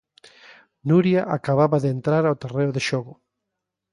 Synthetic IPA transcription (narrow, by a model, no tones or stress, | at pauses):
nuɾjaʔakaβaβaðeent̪ɾaɾawt̪ereoðeʃoɣʊ